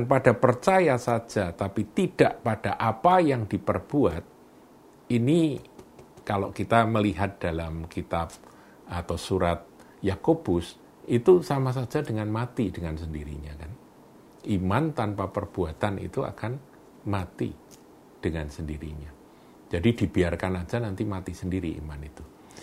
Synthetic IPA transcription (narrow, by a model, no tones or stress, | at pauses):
anpadapərt͡ʃajasad͡ʒat̪apit̪id̥aʔpad̥aʔapajaŋdipərb̥uat̪̚ | ini | kalo̰ʔkit̪aməliɦat̪̚d̥alamkit̪ab̚ | at̪awsuɾat̪̚ | jakob̥ʊs | it̪usamas̬ad͡ʒadəŋanmat̪idəŋans̬əndiɾiɲakan | ʔimant̪anpapərb̥uat̪anʔḭt̪ua̰kan | mat̪ḭ | d̥əŋansəndiɾḭɲa | d͡ʒadidibiarkanad͡ʒanant̪imat̪isəndiɾiḭmanit̪u